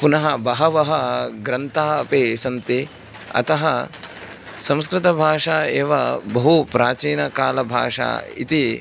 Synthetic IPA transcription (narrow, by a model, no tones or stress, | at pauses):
punɐɦɐbɐɦɐʋɐɦɐɡɾɐnt̪aːɐpeːsɐnt̪i | ɐ̰t̪ɐɦɐ | sɐ̃mskɾɪt̪ɐbʱaːʂaːeːʋɐbɐɦupɾaːt͡ʃiːnɐkaːlɐbʱa̰ːʂa̰ːḭt̪i